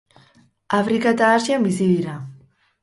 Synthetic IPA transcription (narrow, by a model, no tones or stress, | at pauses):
afɾikat̪aːʃiambisiðiɾa